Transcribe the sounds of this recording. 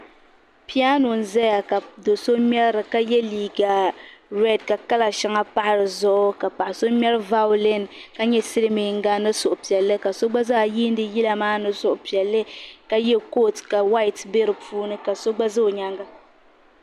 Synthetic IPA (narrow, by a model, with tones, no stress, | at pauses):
pi˦a˦no˨n̩˨zɛ˦ja˨ka˨do˨so˦m˦ɛ˦ɾɨ˨ka˦jɛ˦liː˨ɡa˨ɾɛ˦dka˨ka˦la˨ʃa˦ŋa˦pa˦ʔa˨ɾɨ˨zʊ˦ʔʊ˦ka˨pa˨ʔa˨so˦mʲɛ˦ɾɨ˦va˦ʊ˦lɪ˦˨nka˦ɲɛ˦sɨ˦lɨ˦mi˨ŋ̩˦ɡa˦nɨ˦sʊ˨ʔʊ˨pi˨ɛ˨lːɨ˦ka˨so˦ɡ͡ba˦zaː˦˨jiː˦n˦dɨ˦ji˦la˨maː˦nɨ˦sʊ˨ʔʊ˨pi˨ɛ˨lːɨ˦ka˦jɛ˦ko˦˨tka˨wa˦jtbe˦ɾɨ˨pʰuː˦nɨ˦ka˨so˦ɡ͡ba˦zɨ˦o˨ɲa˦ŋɡa˦